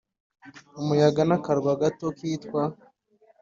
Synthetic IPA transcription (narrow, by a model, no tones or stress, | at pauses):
umujaɡanakaɾɡwaɡatokiːtkwa